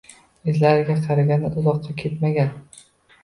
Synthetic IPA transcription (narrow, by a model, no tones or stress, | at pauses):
ɪzlaɾɪɡʲaqʰɑɾaɡʲanɪʔʊzɒqːɑkʲʰe̞t̪maɡʲan